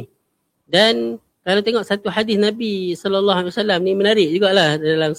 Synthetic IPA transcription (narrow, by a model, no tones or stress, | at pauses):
dan | kalawt̪eŋɔʔsat̪uħadɪsnãbisɔlɔlːɔɦalwasalamnimənaɾɪʔd͡ʒuɡaʔlahdaalam